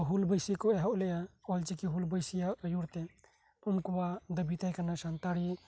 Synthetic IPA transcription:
ɦulbəjsikɔɛɦɔʔlɛjaɔlt͡ʃikiɦulbəjsijajuɽt̪ɛ | unkɔwad̪əbit̪ajkanaʃant̪aɽi

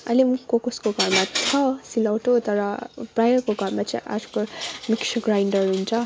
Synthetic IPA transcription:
ʌ̰lemukokuskoɡʱʌɾmatʰʌsilawʈot̪ʌɾʌpɾajʌrkoɡʱʌɾmat͡saĩʔa̰d͡zu̥komiksʰɡɾajɳɖʌɾɦunt͡sʰʌ

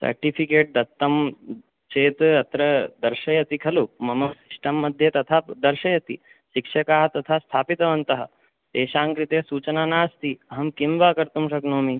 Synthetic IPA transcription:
sɐ̰ɾʈipʰikeːʈ̚d̪ɐt̪ːɐm | t͡ʃeːt̪ɐt̪ɾɐd̪ɐɾʃɐjɐt̪ikʰɐlumɐmɐksiʂʈɐmːɐd̪ʱjɐt̪ɐt̪ʰaːd̪ɐɾʃɐjɐt̪ḭ | ʃikʂɐkaːɦɐt̪ɐt̪ʰaːst̪ʰaːpit̪ɐʋɐnt̪ɐɦɐ̰̆ | t̪eːʃaːŋkɾit̪esuːt͡ʃɐnaːnaːst̪iɐɦɐmkimʋaːkɐɾt̪umʂɐknoːmi

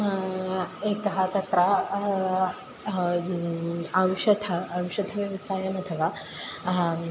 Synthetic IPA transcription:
ekɐɦat̪ɐt̪ɾa | awɕɐt̪ʰɐːwʂɐt̪ʰɐʋjɐʋɐst̪ʰaːjɐmɐt̪ʰɐʋaː

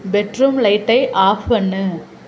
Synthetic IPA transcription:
bɛʈɾɯmlɐɪʈːɐɪʔaːfɐnːɯ

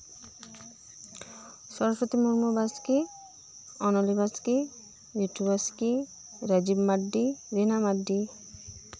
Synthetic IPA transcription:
ʃɔɾoʃot̪imuɾmobaski | ɔnolibaski | juʈʰːubaski | ɾad͡ʑibmaɖːiɾenamaɖːi

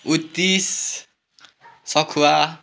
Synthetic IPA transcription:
ut̪is | sɔkʰua

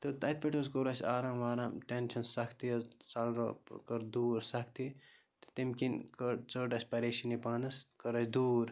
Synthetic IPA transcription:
t̪ɨt̪ɐt̪̚pʲeʈɐskoɾɐsʲaːɾãːmʋaːɾaːmʈent͡ʃʰɐnsɐkʰt̪iɐt͡salɾokɐɾd̪uːɾsɐkʰt̪i | t̪ɨ̥t̪imkinkət͡səʈɐsʲpɐɾeːʃinipaːnɐskɐɾɐsʲd̪uːɾ

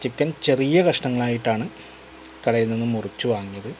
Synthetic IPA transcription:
t͡ɕikːɐnt͡ɕe̞rijɐɣɐʂɳɐŋːɐɭaːjiʈːaːɳɨ | kɐɽɐjilninːɨmurit͡ɕːuʋaːŋːijɐðɨ

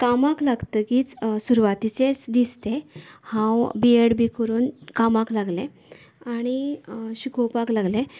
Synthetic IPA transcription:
kamãklaɡt̪əkiːt͡ssuɾuʋat̪it͡set͡sd̪ist̪ehãwbieɽbikəɾuːnkamaklaɡlẽ | aɽ̃iɕukowpaklaɡle

